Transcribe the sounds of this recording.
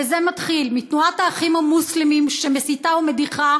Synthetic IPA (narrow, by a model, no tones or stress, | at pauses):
ezemat̪χilmitnuathaːχimhamuslimimʃemesitaume̞diχa